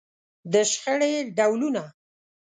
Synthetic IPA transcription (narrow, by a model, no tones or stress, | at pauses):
d̪əʃxəɽeɖawluna